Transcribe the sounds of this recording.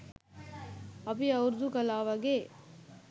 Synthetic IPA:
ɐbiɐwuɾd̪ukɐlaːʋɐɡe

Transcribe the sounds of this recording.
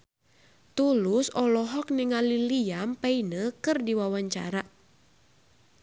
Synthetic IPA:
t̪ulusɔlɔɦɔk̚niŋaliliampainəkɨrdiwawaɲt͡ʃa̰ɾa

